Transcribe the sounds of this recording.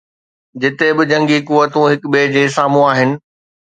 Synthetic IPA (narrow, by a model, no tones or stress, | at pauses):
d͡ʑɪt̪ebɪd͡ʑɐ̃ŋɡikuʋət̪ũɦɪkbeːd͡ʑeːsaːm̤ũaːɦɪnɪ̆